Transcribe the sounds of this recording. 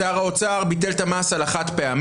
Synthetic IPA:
aʁao̞t͡saʁbit̬elt̪amasalaχat̪peam

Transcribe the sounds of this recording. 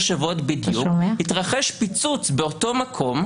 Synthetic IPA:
ʃavo̞tbid̪jukmhitʁaχeʃpit͡sut͡sbeoto̞makʰo̞m

